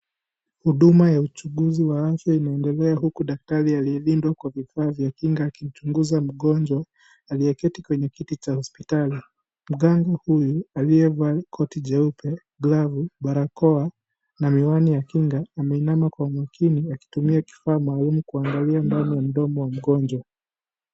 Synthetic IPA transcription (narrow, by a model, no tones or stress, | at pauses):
huɗumajaut͡ʃuɠuziwaafjainaɛndɛlɛaɦukuɗak̚taɾialiɛlindwakwavifaːvjakiŋɡaːkim̩t͡ʃuŋɡuzam̩ɠɔnd͡ʒwa | aliɛkɛtikwɛɲɛkitit͡ʃahɔspitali | m̩ɠaŋɡahujualiɛvakʰɔtiʄɛupɛ | ɡlavuɓaɾakɔa | namiwanijakiŋɡaːmɛinamakwamwakʰiniaki̥tumiaki̥faːmaːlumukuaŋɡaliandanijam̩ɗɔmɔwam̩ɠɔnd͡ʒwa